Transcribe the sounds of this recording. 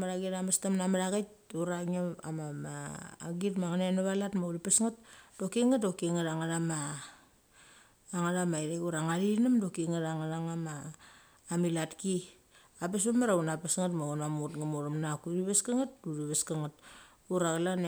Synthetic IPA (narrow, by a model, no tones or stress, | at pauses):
maɾaɡiɾamastamnamaɾaɡat | uɾaŋaa̰mama̰ːɡitmaŋanenaβalatmauɾipesŋat̚dokiŋatdokeŋaɾaŋaɾama | ŋaɾamaiɾeɡuɾaŋaɾinamdokiŋaɾaŋaɾaŋamaː | milatki | apesamaɾaunapesŋatmaunamutɡamuɾamnakuɾiβeskaŋat̚duɾiβeskaŋat̚ | uɾaɣalan